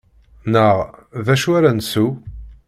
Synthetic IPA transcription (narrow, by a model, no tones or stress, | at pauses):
nəʁðæʃuaɾænsu